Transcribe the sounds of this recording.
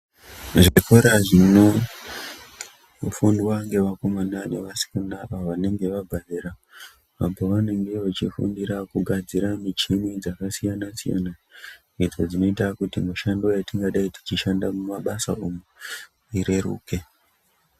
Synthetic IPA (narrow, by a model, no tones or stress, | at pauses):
ʐikoɾaʐino | fundwaŋɡe̞ʋako̞mananeʋasi̥kunaaʋane̞ŋɡe̞ʋaɡʱadeɾa | ʋamboʋane̞ŋɡe̞ʋat͡ʃifṵndiɾakuɡʱad͡ziɾamit͡ʃimid͡zakasijanasija̰na | id͡zo̞d͡zino̞itakutimuʃandojatiŋɡaɗaiti̥t͡ʃiʃandamumaɓasa̰omu | iɾe̞ɾṵːke̞